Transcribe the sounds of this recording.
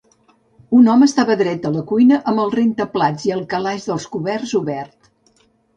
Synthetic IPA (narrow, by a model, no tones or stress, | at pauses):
unɔməst̪aβəðɾɛt̪ələkujnəʔəmbəlˠrent̪əplad͡ziəlˠkəlaʒðəlˠskuβɛrzuβɛrt̪